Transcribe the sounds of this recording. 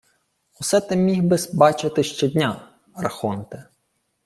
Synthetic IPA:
ɔsɛt̪ɛmʲiɦbɪsbɑt͡ʃɪt̪ɪʃt͡ʃɛd̪ʲnʲa | ɾɐxɔnt̪ɛ

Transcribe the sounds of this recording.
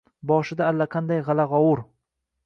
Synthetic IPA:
bɒʃɪd̪aːlːaqʰand̪ajʁɑlaʁɒwʊɾ

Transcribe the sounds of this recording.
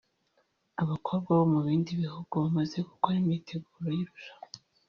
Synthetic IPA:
aβakʰo̞βbɡwaβomuβiːndiβihuɡuβamaze̞ku̥koɾimitʰe̞ɡuːɾojiɾuʒḁmo

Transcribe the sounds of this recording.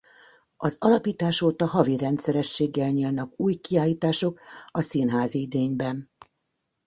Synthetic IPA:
ɒzɒlɒpiːt̪aːʃoːt̪ɒɦɒvirɛnt̪sɛɾɛʃːeːɡːɛlɲiːlnɒkuːjkiaːliːt̪aːʃo̞kɒsiːnɦaːziid̪eːɲbɛn

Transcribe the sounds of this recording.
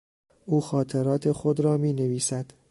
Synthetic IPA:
ʔuːxɒːt̪ʰeɾɒːt̪ʰe̞xo̞d̪ɾɒːmiːne̞viːsæd̪̥

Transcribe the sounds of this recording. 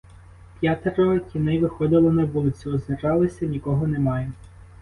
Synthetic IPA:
pʲjat̪eɾɔkʲinɪʋɪxɔd̪ɪlˠɔnɐʋulˠɪt̪t͡sʲʊɔznɪɾɑlˠɪsʲɐnʲikɔɦɔnemɑjɛ

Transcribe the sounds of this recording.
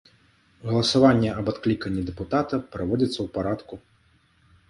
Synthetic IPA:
ɣɐlˠɐsavanʲːɛɐbat̪klʲikɐnʲːid̪ɛput̪at̪ɐpɾavɔd͡zʲɐt̪sːɐwpaɾat̪ku

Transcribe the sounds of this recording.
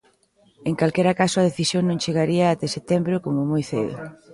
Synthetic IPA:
eŋkalkɛɾakasʊaðeθisjoŋnõŋt͡ʃeɣaɾiaːt̪eset̪ɛmbɾokomomojθḛðo̰

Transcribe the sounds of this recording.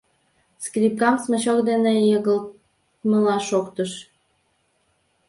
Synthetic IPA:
skrʲip̚kɑmsməɕokd̪enejəɣəl | məlɑʃokt̪əʃ

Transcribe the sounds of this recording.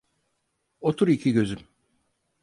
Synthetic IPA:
ot̪ʰuɾicʰiɟø̞zym

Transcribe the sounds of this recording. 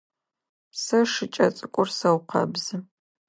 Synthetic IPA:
psɐʂɨt͡ʃʼɐt͡sʼɨkʷʼʊrsɐwqʰɐ̰bzɨ

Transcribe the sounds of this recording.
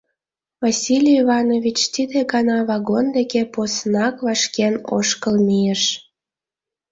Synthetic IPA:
vasʲilʲijivɑnoβʲit͡ɕt̪id̪eɡɑnɑβɑɣond̪ekeposnɑkβɑʃkeno̰ʃkəlmijeʃ

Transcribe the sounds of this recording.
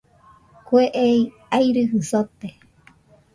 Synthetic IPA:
kweʔei | ajɾɨɦɨsot̪e

